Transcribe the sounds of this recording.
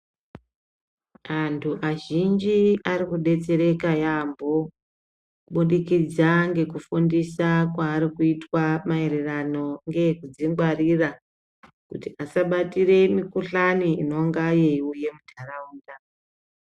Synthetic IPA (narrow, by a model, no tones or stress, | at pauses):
antʰuʔaʒind͡ʒiaɾikuɗe̞t͡se̞ɾe̞kajambo | ɓuɗikid͡zaŋɡe̞kufundisakwaːɾikuitwamae̞ɾerano̞ŋɡe̞kud͡ziŋɡwarira | kutiasaɓatire̞mikuɬaniino̞ŋɡajeiuje̞mudʱarauːnda